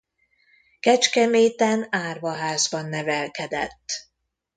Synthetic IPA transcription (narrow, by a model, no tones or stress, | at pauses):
kɛt͡ʃkɛmeːt̪ɛnaːrvɒɦaːzbɒnːɛvɛlkɛd̪ɛ̰t̪ː